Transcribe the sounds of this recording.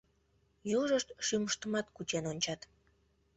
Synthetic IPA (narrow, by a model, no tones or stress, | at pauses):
juʒəʃt̪ʃyməʃt̪əmɑt̪kut͡ɕenonʲt͡ɕɑt̪